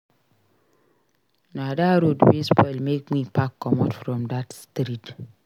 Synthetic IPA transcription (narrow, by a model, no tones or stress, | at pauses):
nadaɾodwispɔɪlmek̚mĩpʰakʰːɔmɔ̰tfɾɔ̃mdatstɾit